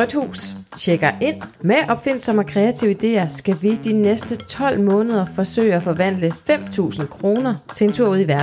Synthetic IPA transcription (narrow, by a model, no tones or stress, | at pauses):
ʁœd̥hṵːsɕeɡ̥ɐʔe̝n̰meʔɒ̽b̥fe̝n̰sɒ̽mækʰʁɛæt͡sʰiʊ̰id̥e̝̰ːɐsɡ̥æʋid̥inesd̥ət͡sʰɒ̽l̰mɔ̽ːnəð̞ˠɐfɒ̽sø̰ːɪæfɒ̽ʋæn̰ləfem̰t͡sʰṵːsn̩kʰʁo̝ːnɐt͡sʰe̝e̝nt͡sʰuɐ̰uð̰ˠiʋæɐdn̩